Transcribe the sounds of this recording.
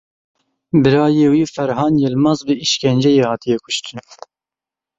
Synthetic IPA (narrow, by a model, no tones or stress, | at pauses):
bɨɾɑːjeːwiːfɛɾhɑːnjeːlmɑzbɨiʃkʲɛnd͡ʒɛjeːhɑːt̪ʰijɛkʰʊ̥ʃt̪ɨn